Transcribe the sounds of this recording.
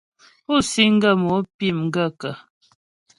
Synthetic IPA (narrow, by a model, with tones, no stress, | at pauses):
u˦˨si˦ŋ̩˦ɡə˦˨mo˨˦pi˦˨mŋ̩˦ɡə˦˨kə˨